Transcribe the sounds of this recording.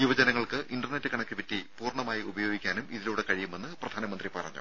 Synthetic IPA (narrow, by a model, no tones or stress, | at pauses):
iʋɐd͡ʑɐnɐŋːɐɭkɨʔinɖɐrne̞tːɨkɐɳɐkʲːɨpɐtːipuːrɳɐmaːjiubɐjo̞ːɡikʲːaːnumiðiluːɽekɐɻijume̞nːɨprɐd̪ʱaːnɐmɐnd̪ripɐrɐ̰ɲːṵ